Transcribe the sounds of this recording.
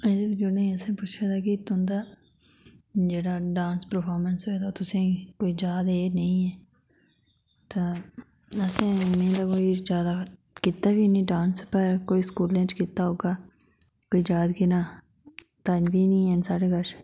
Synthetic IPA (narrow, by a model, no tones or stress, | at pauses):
ed̪ebid͡ʒoːnəĩəsẽpʊt͡ʃʰat̪akit̪ʊnd̪aː | d͡ʒeːɽaɖãːnspəɾpʰɔːɾmə̃nsɦoed̪at̪ʊsẽkoːid͡ʒaːd̪eːnɐĩɛː | t̪a | ɐsẽmẽːd̪akoːid͡ʒjaːd̪a | kɪt̪ːabinĩɖãːnspəɾkoːiskuːlẽt͡ʃkɪt̪ːaɦoːɡaː | koːid͡ʒaːd̪kinaː | t̪anbinĩɛnsaːɽeɡəʃ